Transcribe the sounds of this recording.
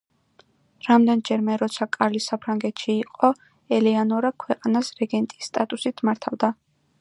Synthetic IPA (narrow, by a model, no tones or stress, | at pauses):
ɾamd̪ɛnd͡ʒɛɾmɛɾɔt̪sʰakʼaɾlisapʰɾaŋɡɛt̪ʰʃiːqʼɔ | ɛlianɔɾakʰwɛqʼanasɾɛɡɛnt̪ʼi̥sːt̪ʼat̪ʼusit̪ʰmaɾt̪ʰavd̪a